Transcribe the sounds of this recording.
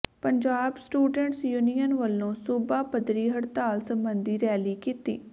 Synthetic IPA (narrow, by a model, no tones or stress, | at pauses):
pəɲd͡ʒaːbsʈuːɖəɳʈsjuːnijənʋəlːõːsʊbaːpəd̪ɾiːɦəɽt̪aːlsəmbənd̪iːɾɛːliːkiːt̪ḭː